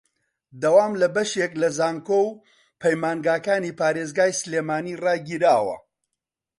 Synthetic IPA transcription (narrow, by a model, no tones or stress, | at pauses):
d̪ɐwaːmlɐbɐʃeklɐzaːŋkow | pʰɐjmaːnɡaːkaːniːpaːɾeːzɡaːjslemaːniːraːɡiːɾaːwɐ̰